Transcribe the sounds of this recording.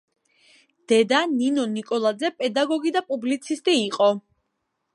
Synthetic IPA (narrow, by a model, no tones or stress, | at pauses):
d̪̥ɛd̪aninɔnikʼɔlˠad̪zɛpʼɛd̪aɡɔɡid̪apʼublit̪sʰist̪ʼiːqʼɔ